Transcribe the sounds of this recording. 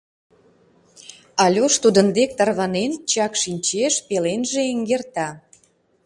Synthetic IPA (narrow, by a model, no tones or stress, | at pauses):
ɑlʲoʃt̪ud̪ənd̪ek̚t̪ɑrɣɑnent͡ɕɑkʃinʲt͡ɕeʃpelenʒeeŋɡert̪ɑ